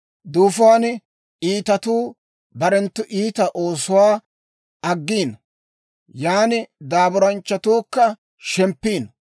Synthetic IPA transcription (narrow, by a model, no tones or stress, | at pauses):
d̪uːfʊwaːn | iːt̪ɐt̪uː | bɐɾɛnt̪ːʊʔiːt̪ɐʔo̞ːsʊwaː | ɐɡːiːn | jaːnɪd̪aːbʊɾɐnt͡ʃːɐt̪uːkːɐ | ʃɛmpːiːn